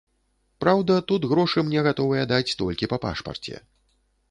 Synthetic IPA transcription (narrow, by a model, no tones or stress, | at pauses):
pɾawd̪ɐt̪ud̪ɣɾɔʂɨmnʲɛɣat̪ɔvɨjɛd̪at͡sʲt̪ɔlʲkʲipɐpa̰ʂpɐ̰rt͡sʲɛ̰